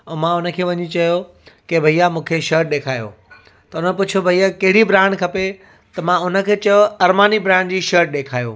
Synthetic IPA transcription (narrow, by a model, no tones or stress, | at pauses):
ɛ̃ːmãʊnə̆kʰeːʋɐɲit͡ɕɐjo | kebʱɐijamũːkʰeʃəːɾʈ̚ɗeːkʰaːjo̰ː | t̪ɐʊnəpʊt͡ɕʰijobʱɐijakɐɦɪɽibɾãːɳɖkʰɐpe | t̪ɐmãʊnə̆kʰeːt͡ɕɐjoɐɾmaːnibɾãːɳɖd͡ʑiːʃəːɾʈ̚ɗeːkʰaːjo̰ː